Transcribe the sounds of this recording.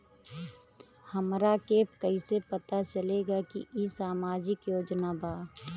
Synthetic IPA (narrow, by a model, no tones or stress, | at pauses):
həmɾakeːpkəisepət̪at͡ʃəleɡakḭisaːmaːd͡ʒɪkjoːd͡ʒnabʱaː